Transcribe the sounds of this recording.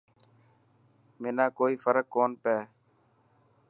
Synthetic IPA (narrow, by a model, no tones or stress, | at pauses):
meːnaːkoːiːfəɾəkːoːnpɛː